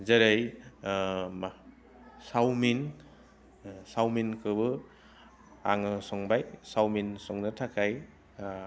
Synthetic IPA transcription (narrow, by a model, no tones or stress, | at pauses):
zaɾaj | ma | sawmin | sawminkʰɯbɯ | aŋɯsɔŋbajsawminsɔŋnɯtʰakʰaj